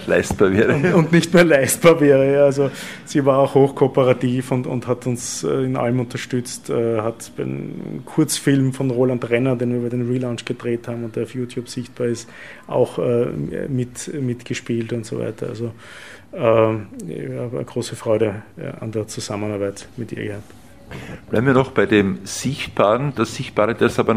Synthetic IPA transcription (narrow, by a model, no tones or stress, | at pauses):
la̰ɪstb̥aːɐveːʁəʊnʊntnɪçtmeːɐlaɪst̚b̥aːɐvɛːʁəjaːalzoz̥iːvaːɐaʊxhoːxkʰopəʁatiːfʊntʊ̰nthatʊnsɛɪnʔa̰ləmʊntɐʃtʏt͡stɛhatb̥ɛɪ̰kʰʊɐt͡sfɪlmfɔnʁoːlantʁɛnɐdeːnviːɐbɛɐdeːnʁiːlaʊnt͡ʃɡ̥ədʁeːthaːbm̩ʊntd̥eːɔfjuːtʰjuːbz̥ɪçt̚b̥aːɐɪst | ʔa̰ʊxɛ̰ːmɪtmɪtɡ̥əʃpiːltʊntz̥o̰va̰ɪtɐa̰lzo | ɛː | aːb̰ɡʁoːsəfʁ̥ɔʏɾə̰a̰ndeːɐt͡suz̥amənaɐbæɪtmɪtʔḭːɐɡəhap̚t | b̥læɪm̩viɐnɔχb̥aɪdeːmz̥ɪçt̚b̥aːʁənd̥asz̥ɪçt̚b̥aːʁədɛɐsabɐ